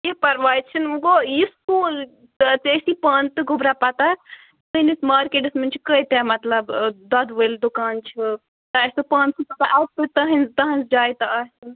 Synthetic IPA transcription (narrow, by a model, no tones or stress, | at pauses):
jepɐɾʋaːjt͡ʃʰinuɡojiskuːl | t̪eːsipaːnt̪ɨɡʱʊbɾapɐt̪a | t̪ɨnismaːɾkeːʈɨsmɐnʲt͡ʃʰikəjt̪amɐt̪lɐbd̪ɐd̪ʋəld̪ʊkaːnt͡ʃʰi | t̪ɐsʲupãːnsipɐt̪aʔɐt̪ɨt̪ɐɦɐnzt̪ɐɦɐnsd͡ʒaːjt̪aaːsin